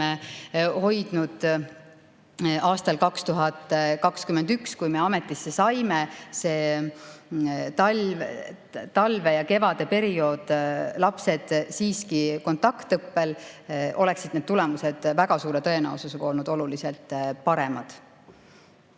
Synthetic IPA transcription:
eho̞jd̪̥nud̪̥ | ɑːst̪ɑlkɑkst̪uɦɑt̪ːˑkɑkskymend̪ykskujme̞ɑme̞t̪ːˑisːe̞sɑjmese̞ː | t̪ɑ | t̪ɑlve̞jɑke̞vɑd̪̥e̞pe̞ɾio̞ːd̪̥lɑpse̞d̪̥siːskiko̞nt̪ɑkt̪ɤpːe̞lʔo̞le̞ksid̪̥ned̪̥t̪ulɛmuse̞d̪̥væɡ̥ɑsuːɾe̞t̪ɤ̞e̞næ̰ususekɑo̞lnud̪o̞luliselt̪ːˑpɑɾe̞mɑd̪̥

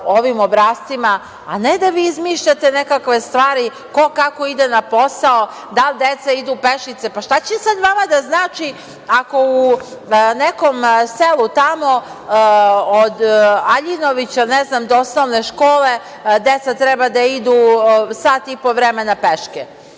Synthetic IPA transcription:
oʋimobɾaːst̪ima̰ː | ned̪aʋiizmiʃʎat̪enekakʋe̞st̪ʋaːɾi | ko̞kako̞id̪enapo̞sao | d̪ald̪et̪said̪upeʃit̪sepaʃt̪at͡ɕesad̪ʋamad̪aznaːt͡ʃi | ako̞u | nekomselˠut̪amo̞ | od̪aʎinoʋit͡ɕaneznamd̪oosnoʋneʃkoːle̞ | d̪et̪sat̪ɾɛbad̪aid̪usat̪ipo̞ʋɾemenapeʃke

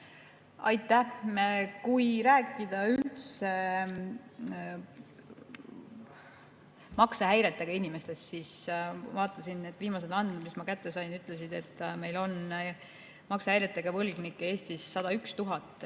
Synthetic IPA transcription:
ɑjt̪ːˑæmkujɾæːkːˑid̪̥ɑylt̪se | mɑkseɦæjɾe̞t̪ːˑeɡ̥ɑinime̞st̪e̞st̪siːsvɑːt̪ˑːɑsine̞t̪ːˑviːmɑs̬elɑnd̪mismɑkæt̪ːe̞sɑjnyt̪ˑlesid̪e̞t̪ːme̞jlo̞n | mɑksɑæjɾet̪ːˑeɡ̥ɑvɤlɡ̥nikːeeːst̪isːɑd̪ɑykst̪uɦɑt̪ːˑ

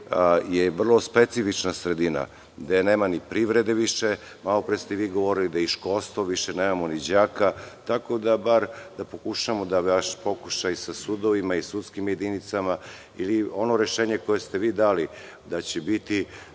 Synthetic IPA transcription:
jeʋr̩lˠo̞spet̪sifit͡ʃnasɾe̞d̪ina̰ | d̪eneːmanipɾiʋɾe̞d̪e̞ʋiʃe | malˠo̞pɾest̪eʋiːɡo̞ʋo̞ɾilid̪aiʃkolst̪ʋoʋiʃeneːmamonid͡ʑaːkat̪ako̞d̪abaɾd̪̥apo̞kuʃamod̪aʋaʃpokuʃajsasud̪oʋimaisut̪skimje̞d̪init̪sama | ilio̞no̞ɾeʃeːɲeko̞jest̪e̞ʋiːd̪aːli | d̪at͡ɕebit̪i

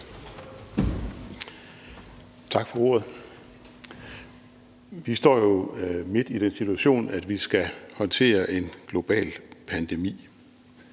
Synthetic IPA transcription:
t͡sʰɑ̈ɡ̥fɒ̽o̝ːɐð̞̩ˠ | ʋisd̥ɒ̰ːjo̝me̝d̥id̥ensit͡sʰuæɕo̝̰ːnæd̥ʋisɡ̥æhɒ̽nt͡sʰe̝̰ːɐʔe̝nɡ̥lo̝b̥ɛ̰ːlpʰænd̥e̝mḭː

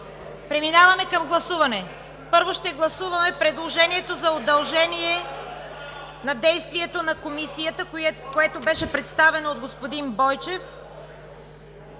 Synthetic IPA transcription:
pɾɛminavɐmɛkɐmɡlˠɐsuvɐnɛ | pɤɾvoʃt̪ɛɡlˠɐsuvɐmɛpɾɛd̪lˠoʒɛniɛt̪ozɐod̪ɐlˠʒɛniɛ | nɐd̪ɛjst̪viɛt̪onɐkomisijət̪əkoɛt̪obɛʃɛpɾɛt̪st̪avɛnoːd̪̚ɡospod̪inbɔjt͡ʃɛf

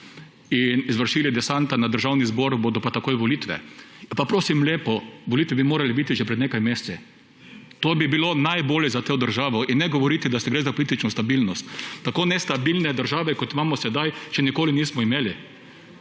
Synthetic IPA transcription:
inizʋəɾʃiːlid̪ɛsant̪anad̪əɾʒawnizboɾboːd̪ɔpat̪akoːjʋɔliːt̪ʋɛ̰papɾoːsimleːpɔʋɔlit̪ʋɛbimoːɾalibit̪iʒɛpɾɛd̪neːkajmeːst͡s̪ɛ | t̪oːbibilonajboːljɛzat̪oːd̪əɾʒaːʋɔinːɛɡoʋɔɾiːt̪id̪ast̪ɛɡɾeːzapɔliːt̪it͡ʃnɔst̪abilnɔst̪ːakoːnɛst̪abilnɛd̪əɾʒaːʋɛkɔt̪imaːmɔsɛd̪ajt͡ʃɛnikoːliniːsmɔimeːli

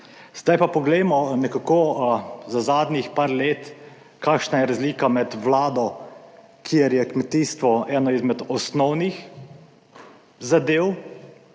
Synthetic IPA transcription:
z̥d̪ajpapɔɡlɛjmɔnɛkakozazaːd̪nʲixpaːɾleːt̪ | kaːkʃnajɛɾazliːkamɛt̪wlaːd̪ɔ | kʰijɛɾjɛkmɛt̪iːst̪ʋɔɛːnɔizmɛd̪ɔsnɔwnix | zad̪eːw

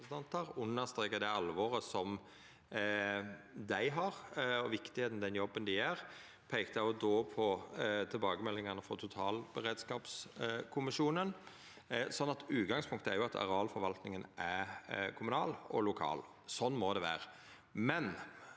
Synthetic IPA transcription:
sd̪ʰɛnt̪əɾʊnːəʁst̪ʁeːkəd̪æɪɑlʋɔɾəsɔm | d̪æɪɦɑɾɔʋɪkt̪ɪheːt̪ən̩d̪ɛnjɔbːənd̪ɪæɾ | pʰeɪkt̪ɑɔd̪oːpʰɔt̪ʰɪlbɑːɡəmɛlːɪŋɑnəfɔt̪ʰʊt̪ʰɑːlb̥ɛɾeːd̪skɑːpskʰʊmɪʃuːnən | sɔnːɑt̪ʉːt̪ɡɑŋspʰʊŋkt̪əæɾjʊɑt̪ʰɑ̰ɾɑːlfɔɾʋɑlt̪nɪŋənʔækʰʊmʉnɑ̰ːlɔ̰lʊkʰɑ̰ːl | sɔnːmɔd̪ɛʋæ̰ːɾə | mɛn

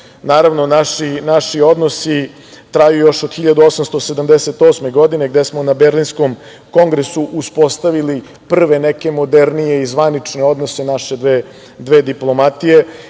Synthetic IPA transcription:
naːɾaʋnonaʃinaʃio̞d̪nosi | t̪ɾajujo̞ʃod̪xiʎad̪uo̞samst̪o̞sed̪amd̪eset̪osmeɡo̞d̪ine̞ɡd̪esmonabeɾlinskom | ko̞ŋɡɾesuʔuspo̞st̪aʋili | pr̩ʋe̞neke̞mo̞d̪eɾnije̞izʋanit͡ʂneo̞d̪nosenaʃed̪ʋe | d̪ʋeːd̪iplˠo̞mat̪ije̞

